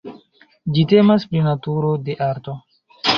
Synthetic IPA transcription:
d͡ʒite̞maspɾinatuɾo̞de̞ʔaɾto̞

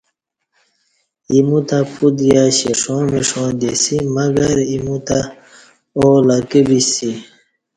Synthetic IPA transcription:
imut̪apud̪jaɕiʂõːmiʂõːd̪esimɐɡɐɾimut̪a | olakibisi

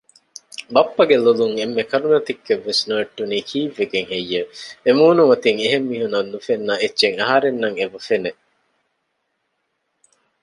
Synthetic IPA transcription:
bɐpːɐɡeluluŋemːekɐɾunɐt̪ikːeʋːesnueʈːuniːkʰiːʋeɡeŋejːeemuːnumɐt̪iŋeɦemːiːɦunɐnnːufenːɐetːʃeŋɐɦɐɾenːɐŋeʋufene

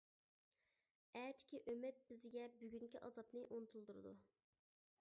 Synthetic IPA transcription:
ɛt̪ʰɪ̥kʲiʔømɪt̪̚bɪzɪɡʲɛbyɡʲyŋkʲiʔɑ̰zɑpnɨʔonɨt̪ʰulˠd̪uɾɨd̪ṵ

